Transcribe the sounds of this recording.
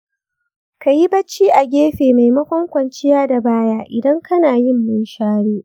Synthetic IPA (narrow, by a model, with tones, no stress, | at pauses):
ka˨ji˦bɐ˦t͡ʃːiː˦ʔa˨ɡʲeː˦ɸeː˨ma˨jmɐ˦kʷɔ˦ŋkʷɐ˨nt͡ʃɪ˦jaː˦da˨baː˦jaː˦ʔɪ˨dɐ˦ŋkɐ˦naː˨jɪ˦˨mːʊ˦nʃaː˦ɽeː˦ʔ